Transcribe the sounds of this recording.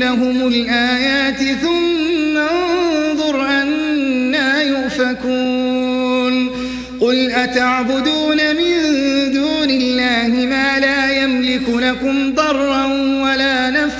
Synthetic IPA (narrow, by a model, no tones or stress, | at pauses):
aɦʊmʊlʔaːjaːt̪ɪθʊmːanðˤʊɾʔanːaːjʊʔfakuː | n | qʊlʔat̪aʕbʊd̪uːnamɪnd̪uːnɪlːaːhɪmaːlaːjamlɪkʊnakʊmd̪ˤɑrˤːɑn | walaːnaf